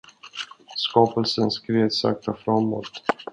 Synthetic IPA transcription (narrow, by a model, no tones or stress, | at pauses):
skɑːpəlsənskɾeːvsa̰k̚t̪afɾamːo̰ːt̪